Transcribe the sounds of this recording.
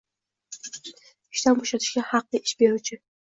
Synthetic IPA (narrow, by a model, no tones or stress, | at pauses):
ɪʃt̪anboʃat̪ʰɪ̥ʃɡʲahɑqlˠɨʔɪʃbeɾut͡ʃʰɪ